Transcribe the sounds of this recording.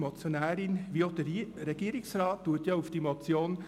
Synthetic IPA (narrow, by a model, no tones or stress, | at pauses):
mot͡sjonæːɾɪnʋiod̥əɾɛɡ̥iːəɾɪksɾɑːttuətjɑufd̥imot͡sjoːn